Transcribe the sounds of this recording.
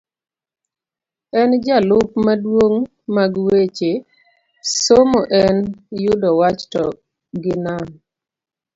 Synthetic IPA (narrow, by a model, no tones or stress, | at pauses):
ɛnd͡ʒalʊpmadwoŋ | maɡwet͡ʃe | somoʔɛnjʊdɔwat͡ʃtɔ | ɡɪnam